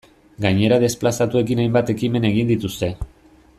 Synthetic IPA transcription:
ɡaɲe̞ɾaðe̞splasat̪ue̞k̬inajmbat̪e̞kime̞ne̞ɣ̞ind̪it̪ust̪e̞

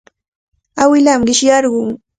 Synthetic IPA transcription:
awɪlamɢɪʃjɑɾɢʊŋ

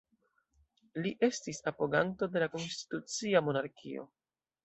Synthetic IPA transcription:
liʔe̞stisapo̞ɡanto̞de̞lako̞nsti̥tut͡siamo̞naɾkʰḭo̞̰

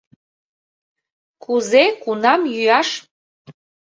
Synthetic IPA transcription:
kʰuzekunɑmjyjɑʃ

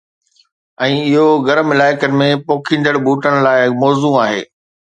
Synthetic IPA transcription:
ɛ̃ːɪɦoɡɐɾəmɪlaːɪkənɪ̆mẽpoːkʰĩːnd̪əɽbʱuːʈəɽ̃̆laːɪmɔːzuaːɦḛː

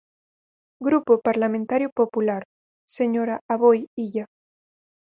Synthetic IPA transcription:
ɡɾupopaɾlamẽnt̪aɾjopopulaɾ | seɲoɾaaβojiʎa

